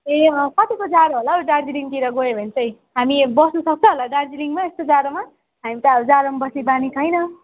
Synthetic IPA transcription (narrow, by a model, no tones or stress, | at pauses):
ekʌt̪ikod͡zaɾoɦolaɖard͡ziliŋkiɾʌɡoebʱʌnt͡sʌj | ɦamibʌsnʌsʌk̚t͡sʰʌ̃ɦolaɖard͡ziliŋmaest̪od͡zaɾoma | ɦamit̪ʌd͡zaɾomabʌsnebanit͡sʰʌjnʌ